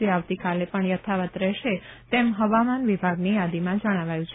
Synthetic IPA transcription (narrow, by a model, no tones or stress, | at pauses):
eaʋt̪ikalepəɳjət̪ʰaʋət̪ɾɛʃet̪emɦəʋamanʋibʱaɡnijad̪imãd͡ʒəɽ̃aʋajũt͡ʃʰ